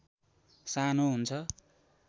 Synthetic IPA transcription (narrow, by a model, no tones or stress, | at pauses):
sanoɦunt͡sʰʌ